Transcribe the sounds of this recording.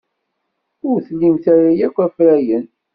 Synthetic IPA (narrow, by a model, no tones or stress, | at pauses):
ʊɾθlimθæɾajækʷːæfɾæjən